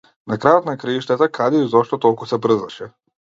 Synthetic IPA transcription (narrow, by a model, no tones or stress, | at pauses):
nakɾajɔt̪nakɾiiʃt̪ɛt̪akʰad̪ɛizɔʃt̪ɔt̪ɔlˠkusɛbɾ̩zaʃɛ